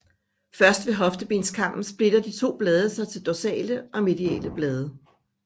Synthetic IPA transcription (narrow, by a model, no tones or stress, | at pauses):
fɶɐsd̥ʋe̝ɦɒ̽fd̥əb̥e̝̰ːnskʰɑ̈m̰b̥n̩sb̥le̝d̥ɐd̥it͡sʰo̝̰ːb̥lɛːð̞ˠɐsɑ̈ɪt͡sʰe̝ld̥o̝sɛ̰ːləʔɒ̽me̝d̥iɛ̰ːləb̥lɛːð̞ˠɐ